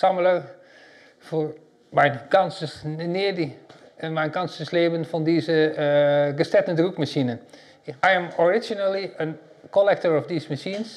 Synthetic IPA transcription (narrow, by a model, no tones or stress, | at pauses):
samələɹ | fʊɹ | mɛjnkɑnsəsnɪːdiɛnmɛjnkɑnsəsleːbənfɑndizə | ɡəstɛtəndrukmaʃinən | ajɛmɔɹɪd͡ʒonəlˠiən | kɔlɛk̚təɹɔfdiːsmaʃins